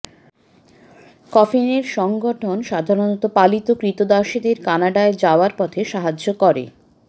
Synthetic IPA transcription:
kɔfineɾʃɔŋɡoʈʰonʃad̪ʱaɾonɔt̪opalit̪okɾit̪od̪aʃid̪eɾkanaɖaed͡ʑaoaɾpɔt̪ʰeʃaɦad͡ʑokɔɾḛ

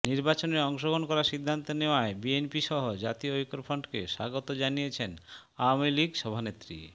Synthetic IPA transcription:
niɾbat͡ɕoneɾɔŋʃoɡonkɔɾaʃid̪ʱːant̪oneoaebienpiʃɔɦod͡ʑat̪ioojkoɾfʰɔɳɖkeʃaɡot̪od͡ʑanijet͡ɕʰen | awamiliɡʃɔbʱanet̪ːɾḭ

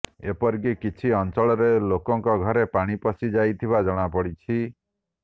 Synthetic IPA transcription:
epɔɾɡikit͡ʃʰiɔnt͡ʃɔɭɔɾelokɔŋkɔɡʱɔɾepaɽ̃ipɔsid͡ʒajt̪ʰibad͡ʒɔɽ̃apɔɽit͡ʃʰi

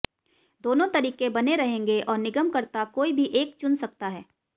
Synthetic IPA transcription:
d̪oːnõt̪ɐɾiːkebɐneɾɐɦẽːŋɡeʔɔːɾnɪɡəmkɐɾt̪akoːibʱiʔeːkt͡ʃʊnsɐk̚t̪aɦɛː

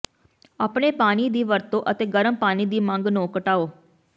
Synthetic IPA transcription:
aːpɳeːpaːniːd̪iːʋəɾt̪õːʔət̪eːɡəɾəmpaːniːd̪iːmə̃ŋɡnõːkəʈaːoː

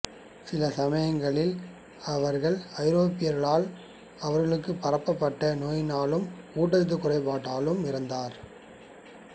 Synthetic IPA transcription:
sɪlɐsɐmɐjɐŋɡɐɭɪl | ɐʋɐɾɣɐɭɐɪɾoːpɪjɐɾɣɐɭaːl | ɐʋɐɾɣɐɭɯkːɯpːɐrɐpːɐpːɐʈːɐnoːjɪnaːlɯmkuːʈːɐɾðɯkʊrɐɪpaːʈːaːlɯmɪɾɯnd̪aːɾ

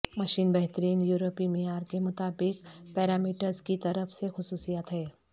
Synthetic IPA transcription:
mɐʃiːnbɛɦt̪əɾiːnjuːɾoːpimijaːɾkemʊt̪aːbɪkpɛːɾaːmiːʈəɾzkit̪ɐɾəfsexʊsuːsijaːt̪ɦɛː

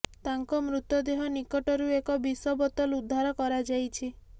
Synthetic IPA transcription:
t̪aŋkɔmɾut̪ːɔd̪eɦɔnikɔʈɔɾuekɔbisɔbɔt̪ɔlud̪ʱːaɾɔkɔɾad͡ʒajt͡ʃʰi

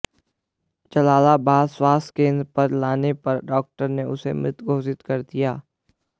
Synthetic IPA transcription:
t͡ʃɐlaːlabaːswaːst̪kẽːnd̪ɾəpɐɾlaːnepɐɾɖɔːk̚ʈəɾneʊ̰sḛmɾɪt̪ɡʱoːsɪt̪kɐɾd̪ijaː

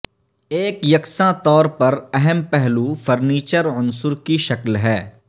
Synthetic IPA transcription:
eːkjɐksãt̪ɔːɾpɐɾɛɦɛmpɛɦlufɐɾniːt͡ʃəɾʊ̃nsʊɾkiʃɐklɦɛː

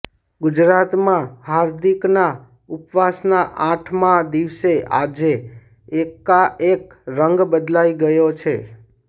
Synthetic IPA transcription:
ɡʊd͡ʒɾat̪mãhaɾd̪ʱikna | upʋasnaʔãʈʰmãd̪iʋsea̰d͡ʒeː | kaʔek | ɾəŋɡbəd̪laiɡəjot͡ʃʰe

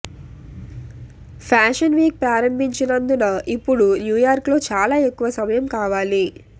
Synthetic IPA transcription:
pʰaːʃɐnʋiːk̚pɾaːɾɐmbiɲt͡ʃinɐnd̪unɐʔipːuɽunjuːjaːɾklo̞ːt͡ʃaːlaːe̞kːuʋɐsɐmɐjɐmkaːʋaːli

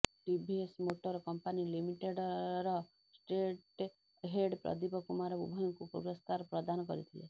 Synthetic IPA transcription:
ʈibʱiesmoʈɔɾɔkɔmpanilimiʈeɖɾɔ | sʈeʈ | ɦeɖpɾɔ̰d̪ipɔkumaɾɔbṵbʱɔjɔŋkupɾṵɡɾɔst̪aɾɔpɾɔd̪anɔkɔɾit̪ʰilḛ

